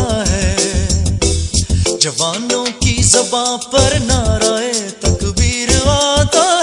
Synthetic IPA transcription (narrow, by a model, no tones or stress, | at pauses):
ɦɛː | d͡ʒɐʋaːnõːkizɐbaːpɐɾnaɾaːɦeːt̪ɐkbiːɾaːt̪aː